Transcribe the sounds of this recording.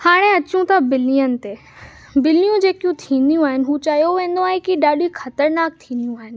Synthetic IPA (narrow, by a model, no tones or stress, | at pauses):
haːɽ̃eɐt͡ɕũt̪abɪlijənɪ̆t̪e | bɪlijũd͡ʑeːkijũt̪ʰĩːnd̪ijũaːɦɪnɪ̆ɦuːt͡ɕaːɦjoʋẽːn̆d̪oaːɦẽkiɗaːɗixɐt̪əɾnaːk̚t̪ʰĩːnd̪ijũaːɦɪnɪ̆